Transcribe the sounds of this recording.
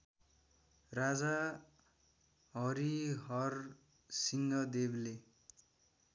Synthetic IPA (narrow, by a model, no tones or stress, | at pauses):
rad͡za | ɦʌɾiɦʌr | siŋɡʌd̪eble